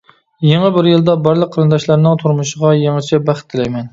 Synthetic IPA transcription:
jeŋæbɪɾjɪlˠd̪ɑbɑɾlˠəqʰːəɾɨnd̪ɑʃlɑɾnɪŋt̪ʰuɾmʊʃɪʁɑjɑŋɨt͡ʃʰɛbæχt̪ʰːɪlɛjmɛn

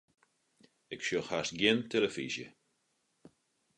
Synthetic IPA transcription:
ɪkʃjoxasɡjɪnteləfḭzjə̰

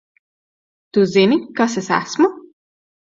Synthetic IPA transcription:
t̪uzenikasɛsa̰smu

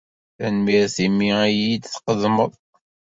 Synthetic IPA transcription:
ænmiɾθimiæjid̪θqəðməðˤ

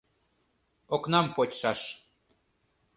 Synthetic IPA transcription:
oknɑmpotʲʃɑʃ

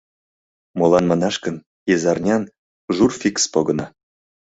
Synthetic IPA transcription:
molɑnmɑnɑʃkə̆n | jezɑrnʲɑn | ʒurfʲikspoɡɤ̆nɑ

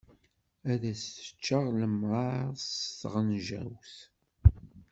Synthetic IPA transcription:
æðæsə̥t͡ʃːəʁləmːʁɑðsθʁənʒæ̰wθ

